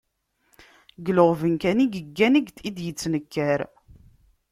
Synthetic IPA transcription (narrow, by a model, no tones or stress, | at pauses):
ɡəloʁvənkæniɡəɡːænəɡd̪id̪jət͡sːnəkːæɾ